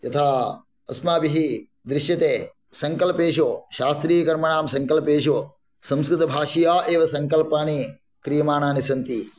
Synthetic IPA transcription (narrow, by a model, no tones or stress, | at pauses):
jɐt̪ʰaː | ɐ̰smaːbiɦi | d̪ɾɪʃjɐt̪eː | sɐŋkɐlpeːʃ̬oːʃaːst̪ɾiːjɐkɐɾmɐɳaːmsɐŋkɐlpeːʃoː | sɐ̃mskɾɪt̪ɐbʱaːʃijaːʔeːʋɐsɐŋkɐlpaːni | kɾijɐmaːnaːnisɐnt̪i